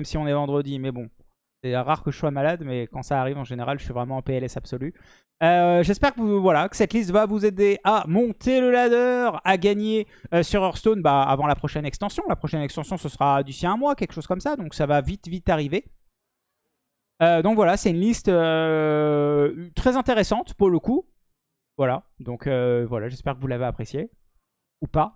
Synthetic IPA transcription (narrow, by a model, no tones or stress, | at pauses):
mɛmsiɔ̃nɛvɑ̃d̪ʁəd̪imɛbɔ̃ | sɛʁaʁkəʒəswamalad̪mɛkɑ̃saːʁivɑ̃ʒeneʁalʒəsɥivʁɛmɑ̃peɛlɛsab̥sɔly | øʒɛspɛʁkəvuvwalakə̥sɛt̪list̪vavuzed̪eʔamɔ̃t̪ʰeləlad̪œʁaɡaɲe | øsyʁœʁst̪onba̰ːvɑ̃lapχɔʃɛnɛkst̪ɑ̃sjɔ̃lapχɔʃɛnɛkst̪ɑ̃sjɔ̃səsəʁad̪isiɛ̃mwakʲɛlkʃoz̥kɔmsad̪ɔ̃ksavavit̪vit̪aʁive | ød̪ɔ̃kvwalasɛt̪ynlist̪ø | t̪χɛzɛ̃t̪eʁesɑ̃t̪puʁləku | vwalad̪ɔ̃kʰøvwalaʒɛspɛʁkəvulaveapχesje | upa